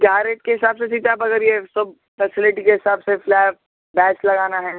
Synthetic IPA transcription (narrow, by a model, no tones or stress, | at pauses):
ɡaːɾeʈ̚keɦɪsaːbsesiːt̪abɐɡəɾjesɐb̚ | fɛːsɪlɪʈikeɦɪsaːbseflɛːb̚ | bɛːslɐɡaːnaɦɛː